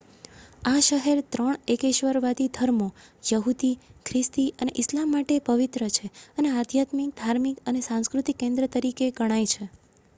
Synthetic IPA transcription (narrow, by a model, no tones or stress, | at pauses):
aʃəɦeɾt̪ɾəɳ̃ekeʃʋəɾʋad̪id̪ʱəɾmojəɦud̪ikʰɾɪst̪iʔəneʔɪslamːaʈepəʋit̪ɾət͡ʃʰeənead̪ʱjat̪mik̚d̪ʱaɾmikənesãskɾut̪ikːẽnd̪ɾət̪əɾikeɡəɽ̃ajt͡ʃʰe